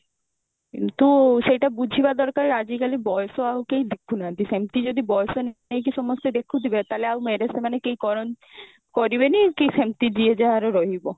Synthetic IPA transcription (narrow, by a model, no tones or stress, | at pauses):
kḭnt̪uʃejʈabud͡ʑʱibad̪ɔɾkaɾɾad͡ʑikalibɔjsoawkejd̪ekʰunat̪isemt̪id͡ʑod̪ibɔjosonejk̬isɔmɔst̪ed̪ekʰːud̪ʱibet̪aleawmeɾesemanekejkɔɾon | kɔɾiβenikesemt̪id̪ied͡ʑeaɾoɾɔɦibo